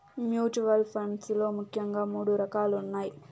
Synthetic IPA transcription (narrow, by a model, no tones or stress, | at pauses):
mjuːt͡ʃuʋɐlpʰɾɐɳɖslo̞ːmukʰjɐŋɡaːmuːɽuɾɐkaːlunːaːji